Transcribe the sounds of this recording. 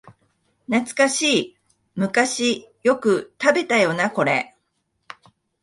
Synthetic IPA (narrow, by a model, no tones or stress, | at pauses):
nat͡sɨ̥kaɕiː | mɯ̟kaɕijo̞kɯ̟t̪abe̞t̪ajo̞nako̞ɾe̞̰